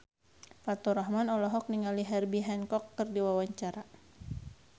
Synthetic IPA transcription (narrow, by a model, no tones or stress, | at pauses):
fat̪ɔɾɔhmanɔlɔɦɔk̚niŋaliɦɛrbiɦɛnkɔkːɨrdiwawaɲt͡ʃaɾa